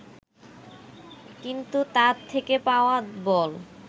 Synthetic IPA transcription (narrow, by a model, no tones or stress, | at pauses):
kint̪ut̪aɾt̪ʰːekepaoabɔl